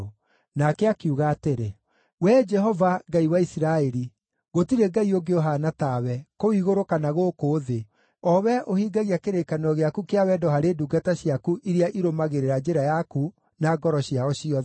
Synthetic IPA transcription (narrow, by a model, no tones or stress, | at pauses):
nakɛakiuɣaːteɾe | wɛd͡ʒɛɦɔvaɡaiwaisiɾaɛɾi | ɣotiɾeɡaioɡeoɦanatawɛkowiɣoɾokanaɣokoːðe | ɔwɛʔohiɡaɣiakeɾekanɔɣeakukeawɛdɔɦaɾeduɡataɕiakuʔiɾiaʔiɾomaɣeɾeɾad͡ʒeɾajaku | naɡɔɾɔɕjaɔɕiɔ